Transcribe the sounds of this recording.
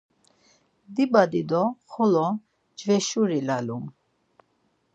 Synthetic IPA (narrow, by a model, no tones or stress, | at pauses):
d̪ibad̪id̪ɔχɔlɔ | d͡ʒvɛʃuɾilalum